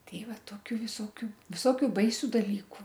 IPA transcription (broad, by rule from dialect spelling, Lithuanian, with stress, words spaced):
ˈtʲɛɪ ˈʋɐ ˈtoːkʲʊ ʋʲɪˈsoːkʲʊ ʋʲɪˈsoːkʲʊ ˈbɐɪsʲʊ dɐˈlʲiːkʊ